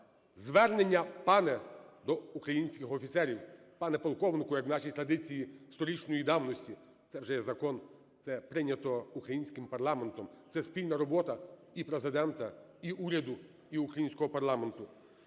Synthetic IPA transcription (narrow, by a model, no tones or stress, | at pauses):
zʋɛrne̞nʲːɐpɑnɛd̪ɔukɾɐjinʲsʲkɪxɔfʲit̪sɛɾʲiwpɑnɛpɔlˠkɔʋnɪkʊjɐkwnɑʃijt̪ɾɐd̪ɪt͡sʲijist̪ɔɾʲit͡ʃnɔjid̪ɑwnɔsʲtʲi | t̪sɛwʒɛjɛzɐkɔn | t̪sɛpɾɪnʲɐt̪ɔukɾɐjinʲsʲkɪmpɐrlˠɑment̪ɔmt̪sɛsʲpʲilʲnɐɾɔbɔt̪ɐ | ipɾezɪd̪ɛnt̪ɐiʔuɾʲɐd̪ʊ | iukɾɐjinʲsʲkɔɦɔpɐrlˠɑme̞nt̪ʊ